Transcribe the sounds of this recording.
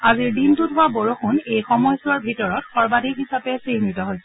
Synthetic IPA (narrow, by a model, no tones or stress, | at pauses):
aziɹdintudʱʊwaboɹoxʰunejxɔmɔjsɔɹbʱitɔɹɔtxɔɹbadʱikɦisapɛsɹihnitɔɦojsɛ